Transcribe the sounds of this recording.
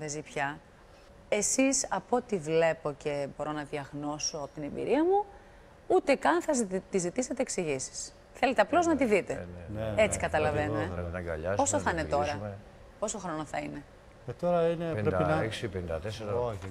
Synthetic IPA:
ðezipçɐ | e̞sisɐpo̞t̪ivle̞po̞ce̞bo̞ɾo̞nɐðjɐɣno̞so̞ɐpot̪ine̞mbḭɾiɐmu | ut̪e̞kɐnθɐt̪izit̪ise̞t̪e̞ːksiʝisi̥s | θele̞t̪eɐplo̞znɐt̪̬iðit̪ennet͡sikɐt̪ɐlɐvenueepnɐɡɐ̰ʎɐzposoθɐinet̪o̞ɾɐ | po̞so̞xɾo̞noθɐine̞ | et̪oɾɐineɾeɐeksipend̪ɐt̪eseɾɐ

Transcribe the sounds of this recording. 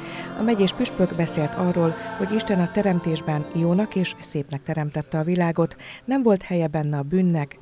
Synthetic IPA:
ɒ̰mɛɟeːʃpyʃpø̞ɡbɛseːlt̪ʰɒrːoːlho̞ɟiʃt̪ɛnɒt̪ɛɾɛmt̪eːʒbɛnjoːnɒkeːʃseːpnɛk̚t̪ɛɾɛmt̪ɛt̪ːɛɒvilaːɡo̞t̪nɛɱvo̞lt̪hɛjɛbɛnːɛɒbyːnːɛk

